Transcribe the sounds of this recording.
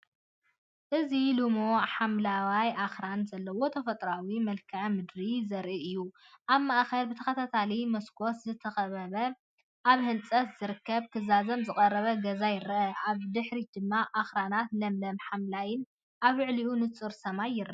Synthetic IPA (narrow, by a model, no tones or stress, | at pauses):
ʔɨzilumoħamlawajʔaxɾanzɐlːɐwot̪ʰɐfɐt̪ʼɾawimɐlkʰɐʕmɨd̪ɾizɐɾʔiʔɨjːu | ʔaβmaʔxɐlbɨt̪ʰɐkɐt̪ʰat̪ʰalimɐskʰo̞szɨt̪ʰɐxɐβɐβɐ | ʔaβhɨnt͡sʼɐt̪z̥ɨɾɨkʰːɐβkʰɨzazɐmzɨkʼɐrɐβɐɡɐzajɪɾɐʔɐʔaβd̪ɨħɾid̪ɨmːaʔaxɾanat̪lɐmlɐmħamlajɪn | ʔaβɨʕliʔunɨt͡sʼɨɾsɐmajːɪɾɐ